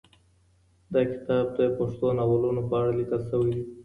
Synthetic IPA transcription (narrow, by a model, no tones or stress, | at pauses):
d̪ɑkɪ̥t̪ɑb̚d̪əpaʂt̪onawalunopəaɽalikəlsəwid̪i